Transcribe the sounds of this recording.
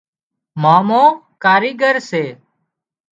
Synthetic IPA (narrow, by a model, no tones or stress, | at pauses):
maːmõː | kaːɾiːɡəɾseː